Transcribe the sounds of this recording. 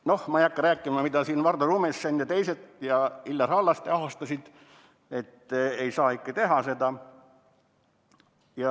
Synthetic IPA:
no̞hmɑijɑkːɑɾæːkːˑimɑmid̪̥ɑsiːnvɑrd̪ɑruːmesːenjɑt̪e̞jse̞t̪jɑilːɑrɑlːɑst̪eɑɦost̪ɑsʲid̪̥ | e̞t̪ːejsɑːikːˑɑt̪e̞ɦɑse̞d̪ɑ | jɑ

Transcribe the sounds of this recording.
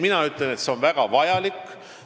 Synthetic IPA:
minɑyt̪lenet̪se̞o̞nvæɡ̥ɑvɑjɑlikː

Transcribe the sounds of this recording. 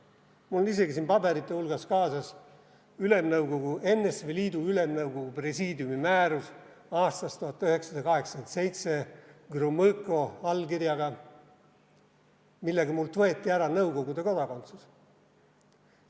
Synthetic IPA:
mulonise̞ɡisinpɑbe̞ɾit̪ːˑe̞ulɡ̥ɑskɑːsɑs | yle̞mnɤwɡ̥o̞ɡue̞nːesveliːd̪uyle̞mnɤwɡ̥o̞ɡ̥upre̞siːd̪jumimæːɾus | ɑːst̪ɑst̪uɦɑt̪ːˑyhe̞ksɑd̪̥ɑkɑɦe̞ksɑ̥kent̪se̞jt̪se̞ɡ̥rumɤkˑo̞ɑlkirjɑɡɑ | milːeɡ̥ɑmult̪vɤe̞t̪ːˑiæɾɑnɤwko̞ɡud̪e̞ko̞d̪ɑko̞nt̪sus

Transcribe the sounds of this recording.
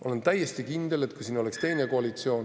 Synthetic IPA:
ʔo̞le̞nt̪æjːest̪ikind̪̥e̞let̪̚kujsiːno̞le̞kst̪e̞jne̞koɑlit̪sio̞ːn

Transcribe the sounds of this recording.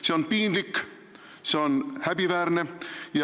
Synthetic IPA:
seonpiːnlikː | seonhæpiʋæːrnejɑ

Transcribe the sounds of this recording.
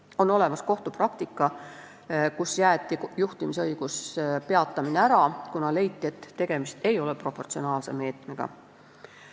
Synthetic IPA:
o̞no̞le̞mɑsko̞ht̪uprɑk̚t̪ikˑːɑ | kusjæːt̪ːˑijuht̪imiseɤjɡ̥uspeɑt̪ːˑɑmineæɾɑkunɑle̞jt̪ˑːiet̪ːe̞ɡ̥e̞mist̪e̞jo̞lɛpro̞pːˑo̞rt̪sio̞nɑːlse̞̰me̞ːt̪ˑmeɡ̥ɑ̰

